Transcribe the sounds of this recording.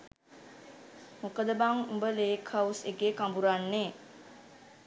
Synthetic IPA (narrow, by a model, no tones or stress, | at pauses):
mokəd̪əbaŋumbəleːkʰawseɡeːkambuɾanːeː